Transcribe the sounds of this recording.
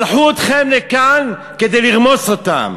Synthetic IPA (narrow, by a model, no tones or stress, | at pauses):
lħuot̪χemlekan | ked̪ejliʁmo̞sot̪a̰m